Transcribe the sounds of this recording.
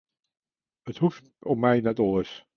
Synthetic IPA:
əthut | ɔpmɛjnɛtɔləs

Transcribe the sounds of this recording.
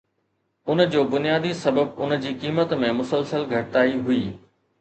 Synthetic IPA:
ʊnd͡ʑoːbʊnijaːd̪isɐbəb̚ʊnd͡ʑiːkiːmət̪mẽmʊsəlsəlɡʱɐʈɪt̪aːiɦʊiː

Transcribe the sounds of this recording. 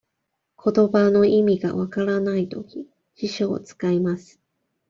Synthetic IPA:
kʰo̞t̪o̞bano̞ʔimʲiɡa̰βakaɾanait̪o̞kʲi | ɕiɕo̞̰ːt͡sɨ̥kaimasɨ̥

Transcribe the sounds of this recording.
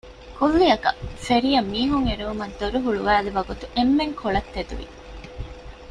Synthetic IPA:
kulːiɐkɐfeɾijɐmːiːɦuŋeɾuumɐd̪oɾuɦuɭuʋæːluʋɐɡut̪uʔemːeŋkʰoɭɐt̪ːed̪ṵʋḭ

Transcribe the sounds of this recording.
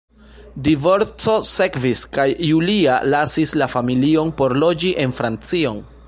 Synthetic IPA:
divo̞ɾt͡so̞se̞kviskajːulia̰lasislafamilio̞npo̞ɾlo̞d͡ʒiʔe̞nfɾant͡sio̞n

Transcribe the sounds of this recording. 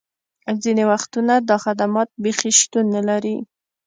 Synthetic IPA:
zinewaxt̪unad̪ɑxad̪amɑt̪̚bexiʃt̪unːəlaɾi

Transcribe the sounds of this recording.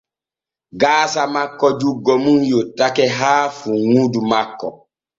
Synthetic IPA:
ɡaːsamakːɔd͡ʒuɡːɔmunjotːakɛɦaːfuŋudumakːɔ

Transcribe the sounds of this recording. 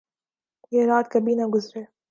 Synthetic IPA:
jeːɾaːt̪kɐbinɐɡʊzɾeː

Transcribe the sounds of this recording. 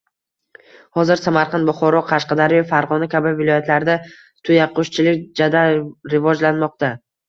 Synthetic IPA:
hɒzɪɾsamaɾqʰɑnd̪bʊχɒɾɒqʰɑʃqɑd̪aɾɪjfaɾʁɒnakʲʰabɪvɪlˠɒjat̪laɾd̪a | t̪ʰʊjaqʰːʊʃt͡ʃʰɪlɪkʲd͡ʒad̪aɾɪvɒd͡ʒlanmɒq̚t̪a

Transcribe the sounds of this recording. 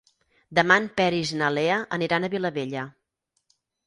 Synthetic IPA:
d̪əmanpɛɾiznəleəʔəniɾanəβiləβeʎə

